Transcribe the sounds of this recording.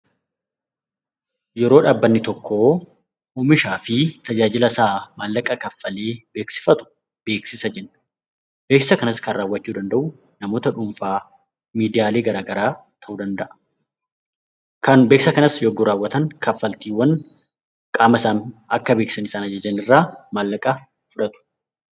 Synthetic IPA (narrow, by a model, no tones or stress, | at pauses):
jɛɾo̞ːᶑaːbːɐnːɪt̪ɔkʰːo̞ː | ʊmɪʃaːfɪt̪ɐd͡ʒaːd͡ʒɪlɐsaːmaːlːɐkʼːɐkɐfːɐle̞ːb̥e̞ːksɪ̥fɐt̪ʊ̥ | b̥e̞ːksɪsɐd͡ʒɛnːɐ̥ | beːksɐkɐnɐskɐnraːwːɐt͡ʃːuːd̪ɐnd̪ɐʔʊ | nɐmo̞ːt̪ɐᶑʊmfaː | miːd̪ɪjaːle̞ːɡɐɾaːɡɐɾaː | t̪ʰɐʔuːd̪ɐnd̪ɐʔɐ̥ | kɐnbe̞ːksɐkɐnɐsjɔɡːʊɾaːwːɐt̪ɐŋkɐfːɐlt̪iːwːɐn | kʼaːmɐsaːmɐkːɐbeːksɐnɪsaːnɐd͡ʒɐd͡ʒɐnɪrːaːmalːɐkʼɐ | fʊᶑɐt̪ʊ̥